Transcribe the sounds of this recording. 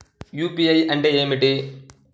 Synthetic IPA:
juːpiɐjɐɳɖeeːmiʈːi

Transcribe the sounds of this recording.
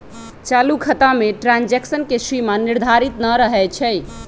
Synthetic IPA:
t͡ʃalukʰət̪ameʈɾãnd͡ʒeksənkesimaniɾd̪ʱaɾit̪nəɾəɦɛt͡ʃʰɛj

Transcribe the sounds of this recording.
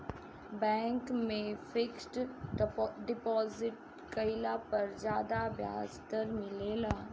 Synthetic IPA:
bɛ̃ːŋkmẽfɪksʈ | ɖɪpɔːzɪʈ̚ | kəɪlapɐɾd͡ʒjaːd̪abja̰ːd͡ʒt̪əɾmɪleːlaː

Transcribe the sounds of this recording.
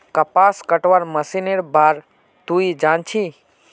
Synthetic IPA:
kɐpaːskəʈʋaɾmɐsineɾbaːɾ | t̪uid͡ʒaːnt͡ʃʰi

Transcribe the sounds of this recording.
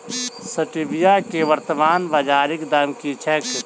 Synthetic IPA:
səʈɪbɪjakeʋəɾt̪əmaːnbad͡ʒaːɾɪkd̪amkit͡ʃʰɛːk

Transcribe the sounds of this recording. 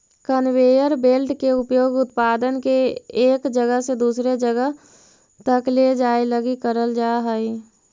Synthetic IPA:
kənweːjəɾbeːlʈkeʊpjoːɡʊt̪paːd̪ənkeeːkd͡ʒəɡəɦsed̪uːsɾed͡ʒəɡəɦ | t̪əkled͡ʒaːeləɡikəɾəld͡ʒaːɦəi

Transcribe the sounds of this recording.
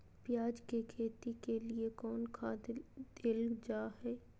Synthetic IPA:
pjaːd͡ʒkekʰeːt̪ikeliekɔːnkʰaːd̪d̪̥ɪld͡ʒaːɦɛː

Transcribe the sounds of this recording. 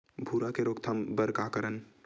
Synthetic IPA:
bʱuːɾakeɾoːkt̪ʰambəɾkakəɾən

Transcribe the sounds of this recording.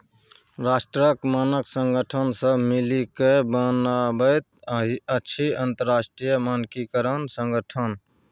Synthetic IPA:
ɾasʈɾəkmanəksəŋɡəʈʰənsə̃milikebənabəjt̪̚ɦiəːt͡ʃʰiənt̪əɾːasʈɾijəmankikəɾənsəŋɡəʈʰən

